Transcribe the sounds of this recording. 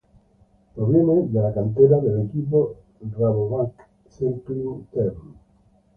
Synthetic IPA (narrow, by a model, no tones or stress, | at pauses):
pɾoβjened̪elakant̪eɾaðelekip̬o | draβoβak | sent̪ut̪eɾ